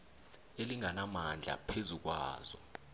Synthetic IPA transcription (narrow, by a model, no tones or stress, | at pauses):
eliŋanamand͡ɮʱa̰pʰezuk̬wa̰ːz̥ɔ̰